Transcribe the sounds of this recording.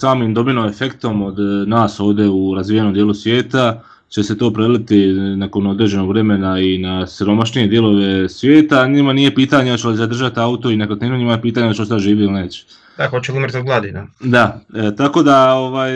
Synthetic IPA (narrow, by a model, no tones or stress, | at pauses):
saːmimd̪o̞binomefe̞kt̪o̞mo̞d̪naːso̞ːʋd̪e̞uɾazʋiːjeno̞md̪jeːlˠusʋjeːt̪a | t͡ɕe̞se̞t̪o̞ːpɾelit̪inako̞no̞d̪ɾe̞d͡ʑe̞no̞ɡʋɾe̞me̞nainasiɾo̞maʃnije̞d̪je̞lo̞ʋe̞sʋjeːt̪aɲimanije̞piːt̪aɲeot͡ɕeloizad̪r̩ʒat̪iaut̪o̞inekot̪eːnuɲimajepiːt̪aːɲot͡ɕeosaʒiːʋilineːt͡ɕe̥ | d̪axot͡ʃulumɾt̪oɡlˠad̪inad̪at̪ako̞ːd̪ao̞ʋaːj